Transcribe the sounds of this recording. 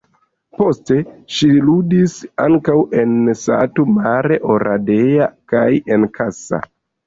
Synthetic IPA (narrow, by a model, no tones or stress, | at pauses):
po̞ste̞ʃiludisaŋkawe̞nsa̰tumaɾe̞ʔo̞ɾʔade̞jakaje̞nkʰasa̰